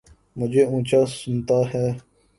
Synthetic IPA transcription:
mʊd͡ʒʱeːũːt͡ɕaːsʊnt̪aɦɛː

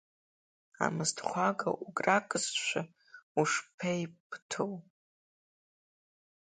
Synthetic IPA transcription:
a̰mɨztʰχʷaɡa̰ʔuɡʼrakʼɨzʃʷa | uʂpʰejpʰʼtʰow

